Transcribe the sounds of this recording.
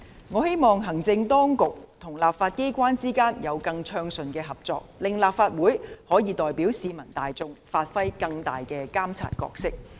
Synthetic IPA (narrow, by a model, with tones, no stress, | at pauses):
ŋɔː˨˧he˥jmɔː˨˩ŋɦɐ˨˩ŋt͡sɪ˧ŋt̪ɔː˥ŋkʊ˨k̚t̪ʰʊ˨˩ŋlaː˨p̚faː˧t̚ke˥jkʷwaː˥nt͡siː˥kaː˥njɐ˨˧wkɐ˧ŋt͡ʃʰœː˧ŋsɵ˨nkɛː˧ɦɐ˨p̚t͡sɔː˧k̚lɪ˨ŋlaː˨˩p̚faː˧t̚wuː˨˥jhɔː˨˥jiː˨˧t̪ɔː˨jpiː˨˥wsiː˨˧mɐ˨˩nt̪aː˨jt͡sʊ˧ŋfaː˧t̚fɐ˥jkɐ˧ŋt̪a̰ː˨jkɛː˧kaː˥mt͡sʰa̰ː˧˩t̚kɔ̰ː˧k̚sɪ˥k̚